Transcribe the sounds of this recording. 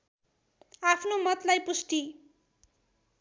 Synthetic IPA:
apʰnomʌt̪lajpusʈi

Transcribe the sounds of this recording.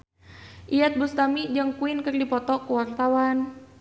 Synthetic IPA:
ʔijat̪̚bust̪amid͡ʒɨŋkuɪnkɨrdipɔt̪ɔkuwart̪awan

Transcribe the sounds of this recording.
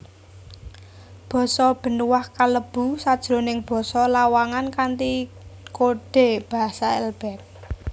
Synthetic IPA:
b̥ɔ̤sɔb̥ə̤nuwahkaləb̥ṳsad̥ʒ̥ɾo̤nɪŋb̥ɔ̤sɔlawaŋankant̪ikoɖ̥e̤b̥a̤ɦasaɛlb̥ɛ̤t̪̚

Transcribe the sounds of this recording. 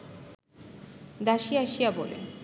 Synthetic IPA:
d̪aʃiaʃijabolḛn

